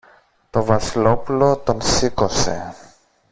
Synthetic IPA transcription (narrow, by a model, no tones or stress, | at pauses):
t̪o̞vɐsilo̞pulo̞t̪o̞nsiko̞se̞̰